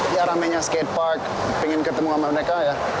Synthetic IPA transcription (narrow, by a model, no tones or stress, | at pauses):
jaɾamɛɲaskɛt̪̚pak̚ | pɛŋɪnkət̪əmuŋamaməɾekaja